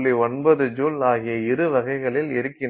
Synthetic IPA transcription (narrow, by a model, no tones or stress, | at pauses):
ɭiɔnbɐðɯd͡ʒuːlaːɣɪjɐɪɾɯʋɐɣɐɪɣɐɭɪlɪɾɯkːɪn